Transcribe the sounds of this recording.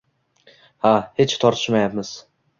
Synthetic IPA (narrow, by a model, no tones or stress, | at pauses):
hahet͡ʃt̪ʰɒɾt̪ʰɪ̥ʃmajapmɪz̥